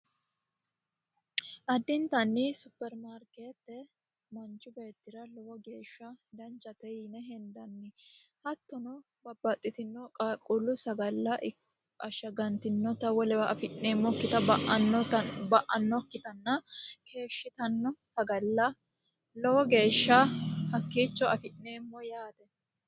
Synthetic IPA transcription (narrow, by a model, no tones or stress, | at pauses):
ʔɐd̪ːɪnt̪ɐnːɪsʊpːɛɾmaːɾkeːt̪ːɛ | mɐnt͡ʃʊbe̞ːt̪ːɪɾɐlɔwɔɡe̞ːʃːɐd̪ɐnt͡ʃːɐt̪ɛnɛɦɛnd̪ɐnːɪ | hɐt̪ːɔnɔ | bɐbːɐt̪ʼːɪt̪ɪnːɔkʼakʼːʊlːʊsɐɡɐlːɐʔ | ɐʃɐɡɐnt̪ɪnːɔt̪ɐwɔlɛɐɐfɪʔːeːmːɔkːɪt̪ɐʔɐnːɔbɐʔɐnːɔkːɪt̪ɐnːɐkʰe̞ːʃːɪt̪ɐnːɔsɐɡɐlːɐ | lɔwɔɡe̞ːʃːɐhɐkːiːt͡ʃːɔɐfɪnːeːmːɔjaːt̪ɛ